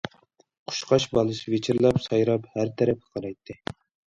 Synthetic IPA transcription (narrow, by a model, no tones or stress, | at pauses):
qʰʊ̥ʃqʰɑʃbɑlˠɨsɨvet͡ʃʰiɾlˠɑpsɑjɾɑphæɾt̪ʰɛɾɛphə̥qʰɑɾɑjt̪ʰːɨ